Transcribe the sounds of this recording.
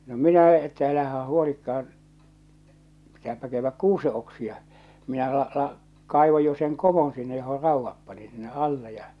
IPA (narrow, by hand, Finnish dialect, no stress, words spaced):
no minæ etːæ ælæhæ huolikːɑɑn pitæːpæ kæyʋːæk kuːse oksiɑ minæ lɑ ɑ̆lɑ kɑˑiʋoj jo seŋ komon sinːe joho rɑˑuʋːɑp pɑnin sinːe ʔɑlːe jɑ